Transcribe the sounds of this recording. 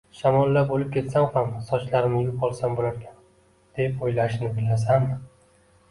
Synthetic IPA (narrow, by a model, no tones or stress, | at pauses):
ʃamɒlːabolɪp̚kʲʰe̞t̪samχamsɒt͡ʃlaɾɪmɪjʊpɒlˠsambolaɾkʲan | d̪̥e̞pojlaɪʃnɪbɪlːas̬an